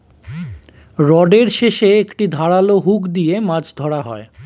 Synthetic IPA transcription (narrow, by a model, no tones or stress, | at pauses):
ɾɔɖeɾʃeʃeekʈid̪ʱaɾaloɦukd̪ijemad͡ʑʰd̪ʱɔɽaɦɔe